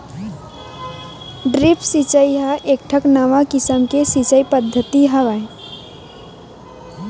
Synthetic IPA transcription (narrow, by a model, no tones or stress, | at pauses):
ɖɾipʰsit͡ʃəiɦəʔek̚ʈʰəknəʋakisəmkesit͡ʃəipəd̪ʱːət̪iɦəʋaj